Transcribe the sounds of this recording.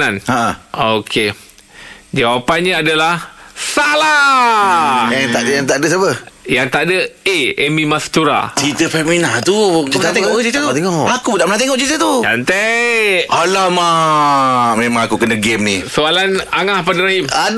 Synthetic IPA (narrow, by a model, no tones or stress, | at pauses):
anaʔaokʰe | d͡ʒawapanɲaadalahsala | jat̪aʔdjaŋt̪aʔdəs̬apəjaŋt̪aʔdəeemĩmast̪uɾa̰t͡ʃit̪əfɛminat̪ut̪at̪eŋɔʔt͡ʃit̪ət̪eŋɔakudaʔmənãt̪̬eŋɔʔt͡ʃit̪ət̪ud͡ʒa̰nt̪ɛʔalama | memãŋakukənaɡemnisualanaŋahpadəɾimad